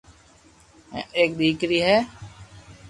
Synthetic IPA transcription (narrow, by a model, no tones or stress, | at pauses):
eːk̚d̪ʱiːkɾiːɦɛː